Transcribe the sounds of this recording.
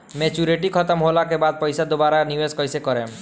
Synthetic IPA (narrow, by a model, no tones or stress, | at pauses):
met͡ʃuɾeʈikʰɔt̪ɔmɦolakebad̪̚pɔjsad̪obaɾaniweskɔjsekɔɾẽm